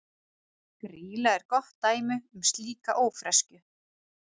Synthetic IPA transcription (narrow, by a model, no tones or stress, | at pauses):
kɾiːlaɛɾ̥kɔht̪ːaːjmɪʏmst̪liːkaʔoːwfɾɛscʏ